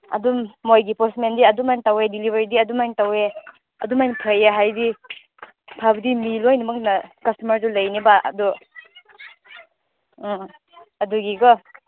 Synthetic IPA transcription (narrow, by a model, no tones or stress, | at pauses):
ɐ̰dumːojɡipɔsmendiɐdumantawedilibʱeɾidiɐdumajntawe | ɐdumajnpʰɐjeɦajdi | pʰabɐdimilojnumɐk̚nɐkɐstumɐɾdulɐjnibaɐ̰du | ɐduɡiɡɔ